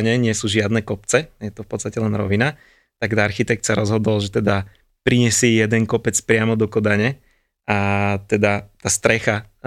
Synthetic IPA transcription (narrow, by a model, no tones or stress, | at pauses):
ɲɛɲɪɛsuːʒɪad̪nɛkɔpt͡sɛjɛt̪ɔfpɔtt͡st̪acɛlɛnɾɔʋina | t̪aɡt̪aɾxit̪ɛk̚t̪saɾɔzɦɔd̪ɔlʒɛt̪ɛd̪a | pɾiɲɛsiːjɛd̪ɛŋkɔpɛt͡spɾɪamɔd̪ɔkɔd̪aɲɛ | at̪ɛd̪at̪ast̪ɾɛxa